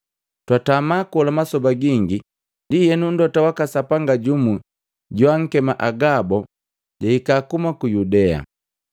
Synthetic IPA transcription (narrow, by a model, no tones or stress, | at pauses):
twatamakɔlamasɔbaɡiŋɡi | dijɛnun̩dɔtawakasapaŋɡaɟumu | ɟwaŋ̩kɛmaʔaɡabɔ | ɟaikakumakujudɛa̰